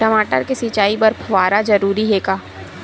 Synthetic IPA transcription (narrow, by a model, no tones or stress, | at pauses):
ʈɐmaːʈəɾkesit͡ʃaːibɐɾpʰɐʋaːɾad͡ʒɐɾuːɾiɦeːkaː